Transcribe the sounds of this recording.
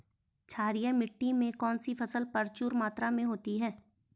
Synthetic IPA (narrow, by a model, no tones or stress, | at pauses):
t͡ʃʰaːɾijãmɪʈːimẽkɔːnsifʰɐsəlpɐɾt͡ʃuːɾmaːt̪ɾamẽɦoːt̪iɦɛː